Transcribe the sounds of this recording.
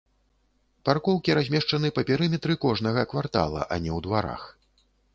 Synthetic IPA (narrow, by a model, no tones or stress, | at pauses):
parkɔwkʲiɾazʲmʲɛʂt͡ʂɐnɨpɐpʲɛɾɨmʲɛt̪ɾɨkɔʐnɐɣɐkvart̪a̰lˠɐ̰ʔɐnʲɛwd̪vaɾa̰x